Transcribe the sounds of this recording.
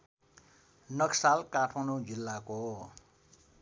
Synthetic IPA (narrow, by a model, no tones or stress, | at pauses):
nʌksalkaʈʰmanod͡zilːako